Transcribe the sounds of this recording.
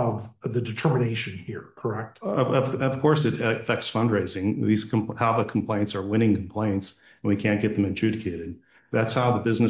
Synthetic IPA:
ʌvðɨdɨtʰɜ˞mɨneɪʃɨ̃nhiɹkʰə˞ɛk̚t̚ʌʌvʌv̥kʰɔɹsɨɾfɛk̚tsfʌ̃ndɹeɪzɪ̃ŋðiz̥kʰhaʊðəkʰm̩pʰl̥ẽɪ̃ntsə˞wɪ̃ɾ̃ɪ̃ŋkʰm̩pʰl̥ẽɪ̃nts | nwikʰæ̃nɡ̥ɛt̪̚ðɨ̃mɨ̃ntʰɹ̥ʉɾɨkʰeɪɾɨd̪̚ | ðætshaʊðəbɪznɨ

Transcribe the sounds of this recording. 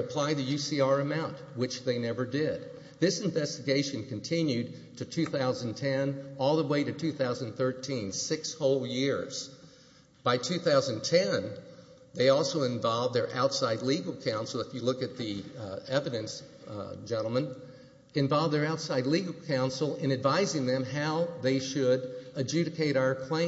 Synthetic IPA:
ɨpʰl̥aɪðɨjʉsiɑɹɨmãʊ̃nt̚ | wɨt͡ʃðeɪnɛvə˞dɪd̪̚ | ðɪsɨ̃ɱvɛstɨɡeɪʃɨ̃nkʰɨ̃n̩tʰɪ̃njʉd̚ | tʰɨtʰʉθaʊzɨ̃n̩tʰɛ̃nɔlˠðəweɪɾɨtʰʉθaʊzɨ̃nθɜ˞tʰĩnsɪkshoʊlˠjɪɹz̥ | b̥aɪtʰʉθaʊzɨ̃n̩tʰɛ̃n | ðeɪɔlˠsoʊɨ̃ɱvɑlˠvðə˞ʔa̰ʊtsaɪdˡliɡl̩ˠkʰãʊ̃nsl̩ˠəfjɨlʊkɨt̪̚ðiɛvɨɾɨ̃ns | d͡ʒɛ̃ɾ̃l̩ˠmə̃n | ɨ̃ɱvɑlˠvðə˞aʊtsaɪdˡliɡl̩ˠkʰãʊ̃nsl̩ˠɨ̃ñɨdvaɪzɪ̃ŋðɨ̃mɦaʊðeɪʃɨɾɨd͡ʒʉɾɨkʰeɪɾaʊə˞kʰl̥ẽɪ̃

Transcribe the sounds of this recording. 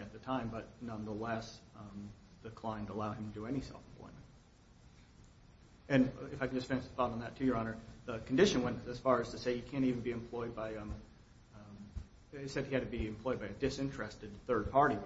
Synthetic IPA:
ɨt̪̚ðɨtʰãɪ̃mbʌt̚ⁿnʌ̃nðəlɛs | ðɨkʰl̥ãɪ̃ntʰəəlaʊɨ̃m̩tʰɨdɨɛnisɛ̰lˠfm̩pʰl̥ɔ̰ɪmɨ̃nt̚ | ɨ̃nɨfaɪkn̩d͡ʒʌstfɪ̃ñɨʃəθɔɾn̩ðɨtʰɨjə˞ɑnə˞ðəkʰn̩dɪʃɨ̃nwɛ̃nɨz̥fɑɹɨz̥tʰɨseɪjɨkʰæ̃ntivn̩biɨ̃mpʰl̥ɔɪd̚baɪ | ɪsɛd̚hiɨd̚tʰɨbiɨ̃mpʰl̥ɔɪd̚baɪɨdɪsɪ̃nt͡ʃɹ̥ɛstɨd̪̚θɜ˞d̚pʰɑɹɾi

